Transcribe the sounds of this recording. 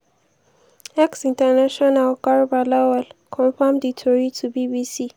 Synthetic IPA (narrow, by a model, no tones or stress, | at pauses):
ʔɛksɪ̃ntɛnaʃɔnalkaɹbalɛwalkʰɔ̃nfɔ̃mditʰɔɹitʰubiːbiːsiː